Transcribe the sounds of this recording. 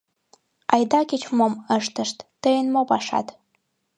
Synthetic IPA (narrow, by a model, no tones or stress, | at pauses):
ɑjd̪ɑket͡ɕmoməʃt̪ə̆ʃt̪ːəjənmopɑʃɑ̰t̪